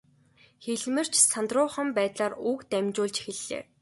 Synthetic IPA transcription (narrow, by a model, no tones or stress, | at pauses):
xeɮmɘ̆r̥t͡ɕʰsant̪rʊːχə̆mpæːt̪ɮaːrukt̪æmʲt͡ɕʊːɮt͡ɕxeɮːḛː